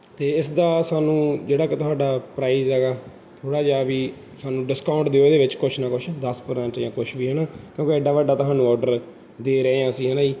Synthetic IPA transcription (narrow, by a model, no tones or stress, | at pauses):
t̪eːɪsd̪aːsaːnũːd͡ʒeːɽaːkɪt̪ʊɦaːɖaːpɾaːiːzɦɛːɡaː | t̪ʰoːɽaːd͡ʒaːʋiː | saːnũːɖɪskaːʊɳʈd̪eːoːd̪eːʋɪt͡ʃkʊt͡ʃʰnaːkʊt͡ʃʰd̪əspəɾsɛ̃ɳʈd͡ʒãːkʊt͡ʃʰʋiːɦɛːɽaːkjõːkɪɪɖaːʋaːɖaːt̪ʊɦaːnũːɔːɾɖəɾ | d̪eːɾəeːãːəsĩːɦɛːnãːiː